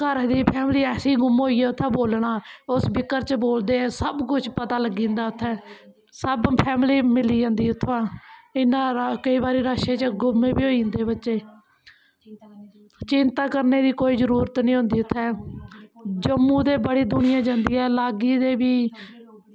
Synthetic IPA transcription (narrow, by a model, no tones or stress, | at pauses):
kəɾd̪iːpʰɛːmliːɛːsiːɡʊmɦoːiːɛːʊt̪ʰːɛ̃ːboːlɽaːʊsbɪkːəɾt͡ʃboːld̪ẽːsəbkʊt͡ʃpət̪aːləɡːĩːnd̪aːʊt̪ʰːɛː | səbpʰɛːmliːmɪliːd͡ʒãːnd̪iːʊt̪ʰːãːɪnãːkəiːbaːɾiːɾaːʃeːt͡ʃɡʊmẽːbiːoːind̪eːbətːʃeː | t͡ʃɪnt̪aːkəɾneːd̪iːkoːiːzəɾuːɾət̪nĩːɦʊ̃nd̪iːʊt̪ʰːɛː | d͡ʒəmːũːd̪eːbəɽeːd̪ʊɽ̃ɪjãːd͡ʒãːnd̪iːɛːlaːɡiːd̪eːbiː